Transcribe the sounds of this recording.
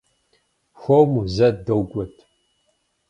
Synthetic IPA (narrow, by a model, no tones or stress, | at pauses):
xʷowmuzɐdɐwɡʷʼɔtʰ